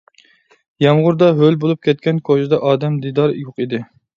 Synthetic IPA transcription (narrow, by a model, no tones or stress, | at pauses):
jɑmʁʊɾd̪ɑɦølbolˠup̚kʲʰɛt̪̚kʲɛnkʰod͡ʒɪd̪ɑʔɑːd̪ɛmd̪id̪ɑɾjoqid̪ɪ